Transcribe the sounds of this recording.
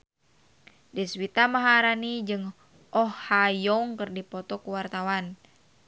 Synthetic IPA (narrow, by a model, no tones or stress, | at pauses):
dɛswit̪amaɦaɾanid͡ʒɨŋ | ɔhːajɔŋkɨrdipɔt̪ɔkuwart̪awan